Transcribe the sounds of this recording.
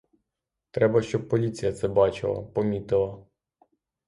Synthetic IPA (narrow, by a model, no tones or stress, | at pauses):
t̪ɾɛbɐʃt͡ʃɔb̚pːɔlʲit͡sʲijɐt̪sɛbɑt͡ʃɪ̰lˠɐ̰pɔmʲit̪ɪlˠɐ